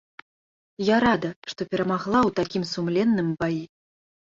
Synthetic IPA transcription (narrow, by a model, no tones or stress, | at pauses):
jaɾad̪ɐʂt̪ɔpʲɛɾɐmaɣlˠawt̪akʲimsumlʲɛnːɨmbaji